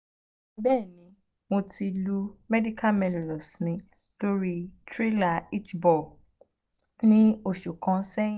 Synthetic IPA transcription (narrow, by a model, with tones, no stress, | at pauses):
bɛ˦˨nĩ˨˦ | mo˧ti˧lu˦mɛ˦di˦ka˦mɛ˧lo˨lɔ˨snĩ˨˧ | to˦ɾi˦tɾe˦la˦˨i˦t͡ʃbɔ˨ | nĩ˦o˦˨ʃu˨kã˨˦sɛ̃˦